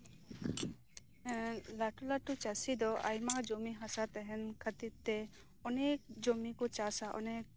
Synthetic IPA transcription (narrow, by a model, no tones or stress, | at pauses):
laʈulaʈut͡ʃasid̪ɔʔa̰jmad͡ʒomiɦasat̪ɛɦɛnkʰət̪iɾt̪ɛ | ɔnek̚d͡ʒomikɔt͡ʃasaʔɔ̰nɛk̚